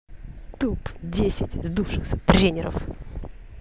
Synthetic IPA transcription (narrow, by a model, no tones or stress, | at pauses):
t̪updʲesʲɪtʲzd̪ufʂɨxsʲət̪ɾʲenʲɪɾə̰f